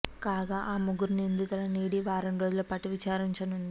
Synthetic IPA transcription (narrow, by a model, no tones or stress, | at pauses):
kaːɡaːʔaːmuɡuɾnind̪it̪ɐlɐniːɽiʋaːɾɐnɾo̞ːd͡ʒulɐpɐʈːiʋit͡ʃaːɾiɲt͡ʃɐnund̪i